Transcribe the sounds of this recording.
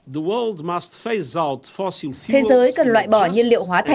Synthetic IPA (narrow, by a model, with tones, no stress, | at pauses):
ðəwɜlˠd̪məst̪feɪzawtfɔsilˠft̪ʰe˨˦zəː˨˦jkə˨˩nlwa̰ː˧˨jɓɔ˧˩ɲə˧nlḭ˧˨əwɦwaː˨˦t̪ʰa˨